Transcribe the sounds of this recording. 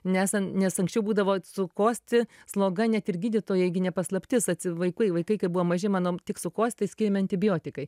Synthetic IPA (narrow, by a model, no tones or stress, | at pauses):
nʲæːsɐnnʲɛsɐŋksʲt͡ʃʲɛʊbuːd̪ɐʋoːsʊkoːsʲt̪ʲɪslˠoːɡɐnʲɛt̪ɪrɡʲiːd̪ʲɪt̪oːjɛɡʲɪnʲɛpɐslˠɐpʲt̪ʲɪsɐt̪ʲsʲɪʋɐɪkʊɪʋɐɪkɐɪkɐɪbuʋoːmɐʒʲɪmɑːnoːt̪ʲɪksʊkoːst̪ʲt̪ɐɪsʲkʲɪːɾʲɛmʲɪɐnʲt̪ʲɪbʲɪjoːt̪ʲɪkɐɪ